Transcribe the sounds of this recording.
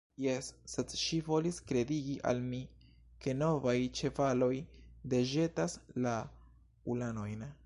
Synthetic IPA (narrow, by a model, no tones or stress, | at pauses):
jesːedʃivo̞liskɾe̞diɡiʔa̰lmi | ke̞no̞vajt͡ʃe̞valo̞jde̞ʒe̞tasla | ulano̞jn